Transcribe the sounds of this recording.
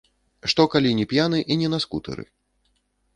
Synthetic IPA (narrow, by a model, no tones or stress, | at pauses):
ʂt̪ɔkalʲinʲɛpʲjanɨʔinʲɛnaskut̪ɨ̰ɾɨ̰